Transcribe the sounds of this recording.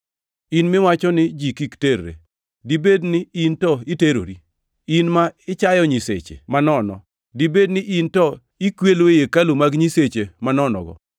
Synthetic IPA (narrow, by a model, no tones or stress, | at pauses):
inmɪwat͡ʃɔnɪd͡ʒikikteɾɾḛ | dibednɪintɔiteɾo̰ɾi | inmaɪt͡ʃajɔɲisḛt͡ʃḛmanɔnɔ̰ | dibednɪʔintɔ | ikwelwejekalumaɡɲiset͡ʃemanɔnɔ̰ɡɔ̰